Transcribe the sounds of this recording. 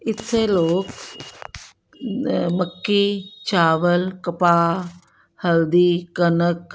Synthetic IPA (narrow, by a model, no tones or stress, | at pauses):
ɪt̪seloːk | məkːit͡ʃaːʋəlkəpaː | həld̪iːkənək̚